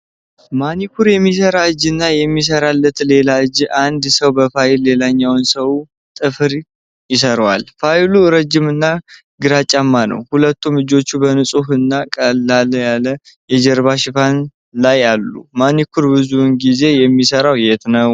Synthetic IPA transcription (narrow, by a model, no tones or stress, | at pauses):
manikʰuɾjɛmːis̬əɾaɨd͡ʒːɨnːajɛmːis̬əɾalːət̪le̞laɨd͡ʒʔand̪səwbəfajɪlːe̞laɲːawnsəw | t̪ʼɨfɨɾ | jɪs̬əɾwalfajluɾəd͡ʒːɪmɨnːa | ɡɨɾat͡ʃʼːamːanə̰whulət̪ʰːumɨd͡ʒo̞t͡ʃːubənɨsʼuhɨnːakʼəlːaljalə | jɛd͡ʒɛɾβaʃɪfan | lajalːṵmanikʰuɾbɨzunɡize̞jɛmːisəɾawjɛt̪nəw